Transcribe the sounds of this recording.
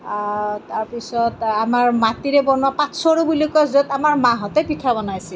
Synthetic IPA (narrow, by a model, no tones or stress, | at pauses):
taɹpisɔtamaɹmatiɹɛbɔnwapãtsɔɹubulikɔszɔtamaɹmãɦɔtɛpitʰabɔnajsi